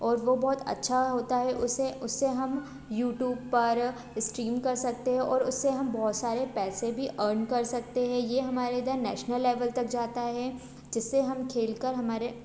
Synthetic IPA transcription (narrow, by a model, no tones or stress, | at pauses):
ɔːɾʋobɔːt̪ɐ̰tːʃʰaɦoːt̪aɦɛʔʊseʊsːeɦɐm | juːʈjuːbpɐɾ | sʈɾiːmkɐɾsɐk̚t̪eɦɛ̃ʔɔːɾʊsːeɦɐmbɔːʊt̪saːɾepɛːsebʱiʔəːɾnkɐɾsɐk̚t̪eɦɛ̃jeːɦɐmaːɾed̪əɾnɛ̰ːʃnəlːeːʋəlt̪ɐk̚d͡ʒaːt̪aɦɛ | d͡ʒɪsːeɦɐmkʰeːlkəɾɦɐmaːɾe